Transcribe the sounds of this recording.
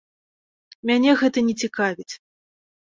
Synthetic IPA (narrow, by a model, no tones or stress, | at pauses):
mʲanʲɛɣɛt̪ɐnʲɛt͡sʲikavʲit͡sʲ